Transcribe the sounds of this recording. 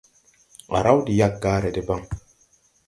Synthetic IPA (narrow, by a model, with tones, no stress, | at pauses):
a̰˨ɾa˦wdi˨ja˦k̚ɡaː˦ɾe˨di˦ba˦ŋ